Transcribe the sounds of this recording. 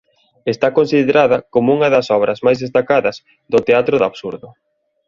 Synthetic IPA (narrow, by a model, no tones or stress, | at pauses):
est̪akonsiðeɾaðɐkomouŋɐðɐsɔβɾɐzmajzðest̪akaðɐz | d̪ʊt̪eat̪ɾʊðaβsuɾðʊ